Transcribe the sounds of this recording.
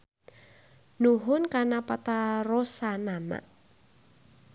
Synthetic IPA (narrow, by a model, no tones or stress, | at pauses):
nuɦʊnkanapat̪arosanana̰ʔ